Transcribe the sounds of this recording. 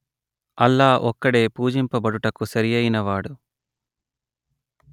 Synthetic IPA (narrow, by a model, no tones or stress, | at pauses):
ɐlːaːʔɔkːɐɽe̞ːpuːd͡ʒimpɐbɐɽuʈɐkusɐɾijɐjinɐʋaːɽu